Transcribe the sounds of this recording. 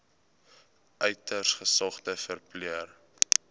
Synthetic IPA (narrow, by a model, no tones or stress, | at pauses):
ʔœɥtərsχəsɑχtəfərpliər